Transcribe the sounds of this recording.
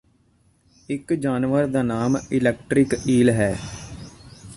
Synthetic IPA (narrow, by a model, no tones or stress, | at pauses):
ɪkd͡ʒaːnʋəɾd̪aːnaːmɪlɛːk̚ʈɾɪkiːlɦɛː